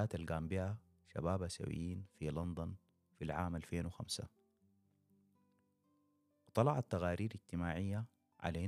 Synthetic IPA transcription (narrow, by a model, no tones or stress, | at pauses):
aːt̪alɡaːmbiʔa | ʃa̰baːbasa̰wḭjːiːnfilɑnd̪ɑn | filʕaːmʔalfeːnwɪxamsa̰ | wɨt̪ˤɑlɑʕat̪ːaɣaːɾiːɾid͡ʒt̪imaːʕɪjːa | ʕa̰lai